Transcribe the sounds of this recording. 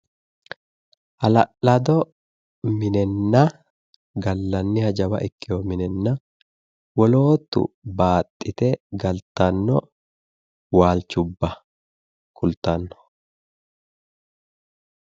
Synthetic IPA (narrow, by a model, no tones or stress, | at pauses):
ʔɐlɐʔɐd̪ɔ | mɪnɛnːɐ | ɡɐlːɐnːɪhɐd͡ʒɐbɐ̰ʔɪkːɪjomɪnɛnːɐ | wɔloːt̪ːʊ̰baːt̪ʼːɪt̪ɛɡɐlt̪ɐnːɔ | waːlt͡ʃʊbːɐ | kʰʊlt̪ɐnːɔ̥